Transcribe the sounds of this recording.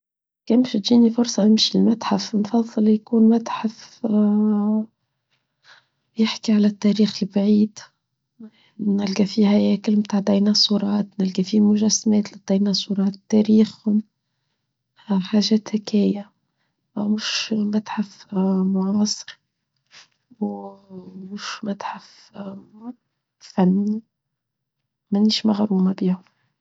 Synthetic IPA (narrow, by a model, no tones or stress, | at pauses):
kæːmʃɪd̪d͡ʒiːnifʊɾsˤɑʔɪmʃilmat̪ħafnfɑðˤːɨljkuːnmat̪ħaf | jɪħkiʕalæt̪ːæɾiːxlbʕiːd̪ | nælɡæfihæjɛːkɪlmt̪aʕd̪æjnæsˤuːɾˤɑːt̪nælɡæfimʊʒæsːmɛːt̪lɪd̪̥æjnæsˤuɾˤɑːt̪t̪ːæɾiːxhʊm | ħaːʒɛːt̪hɪkæːja | mʊʃmat̪ħafmʊʕɑːsˤɨ̥ɾ | w | mʊʃmat̪ħaf | fænːi | mæniːʃmaɣɾuːmabiːhʊm